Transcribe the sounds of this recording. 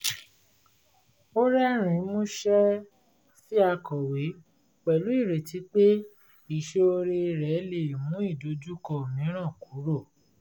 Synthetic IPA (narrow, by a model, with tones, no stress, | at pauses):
o˦ɾɛ˦ɾ̃ĩ˨˦mũ˦ʃɛ˦ | si˦a˧kɔ˨we˨˦ | k͡pɛ˨lu˨˦i˦˨ɾe˨ti˨˦k͡pe˦ | i˨ʃe˧o˧ɾe˧ɾɛ˨˦le˨mũ˨˦i˦˨do˨˦d͡ʒu˦kɔ˧o˨mĩ˨˦ɾ̃ã˦˨ku˨˦ɾo˦˨